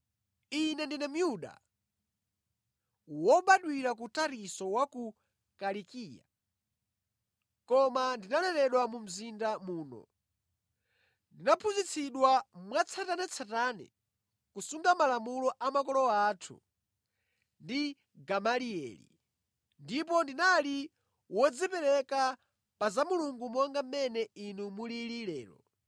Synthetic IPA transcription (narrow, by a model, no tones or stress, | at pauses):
inɛndinɛm̩juɗa̰ | wɔɓaɗwiɾak̬utaɾisɔwaku | kalikiːja̰ | kɔmandinalɛɾɛɗwamum̩zindamuːnɔ̰ | ndinapʰuzit͡sʰiɗwamwat͡sʰatanɛt͡sʰatanɛ̰ | kusuŋɡamalamulɔʔamakɔlɔaːtʰṵ | ndi | ɡamaliɛ̰ːlḭ | ndip̬ɔndinali | wɔd͡zipɛɾɛka | pazamuluŋɡumɔŋɡam̩mɛnɛinumuliliɾɛːlɔ̰